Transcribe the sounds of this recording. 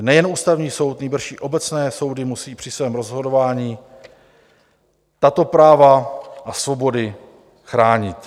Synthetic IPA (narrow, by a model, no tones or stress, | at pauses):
nɛjɛnʔuːst̪avɲiːso̞wt̪nijbr̩ʃiːʔo̞bɛt͡snɛːso̞wdɪmusiːpr̥ɪsvɛːmɾozɦo̞do̞vaːɲiː | t̪at̪o̞pɾaːvaʔasvo̞bo̞dɪ | xɾaːɲɪt̪